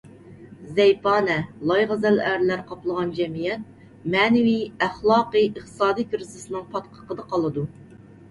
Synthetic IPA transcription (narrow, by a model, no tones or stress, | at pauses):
zɛjpɑːnɛlˠɑjʁɑzælæɾlæɾqʰɑplˠəʁɑnd͡ʒɛmijɛt̪̚ | mɛːnɪwiæχlˠɑːqɨəχt̪ɨ̥sɑːd̪ijkʰʲyɾzɨsɨnɨŋpʰɑt̪qʰə̥qəd̪ɑqʰɑlˠɨd̪u